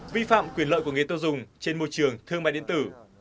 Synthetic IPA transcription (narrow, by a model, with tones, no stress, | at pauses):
vi˧fa̰ː˧˨mkwi˧˩ənləː˧˨jku˧˩ŋe˨˩t̪o˧zʊ˨˩ŋ͡mt͡ɕe˧nmo˧˩jt͡ɕɨ˨˩əŋt̪ʰɨ˧əŋmaː˧˨ɗḭ˧ənt̪ɨ˧˩